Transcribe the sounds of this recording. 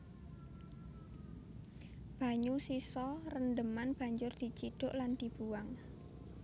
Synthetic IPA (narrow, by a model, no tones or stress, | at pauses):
b̥a̤ɲusisɔrənd̪əmanb̥a̤ɲd͡ʒʊrd̪̥i̤t͡ʃiɖ̥ʊ̤ʔland̪̥i̤b̥uwaŋ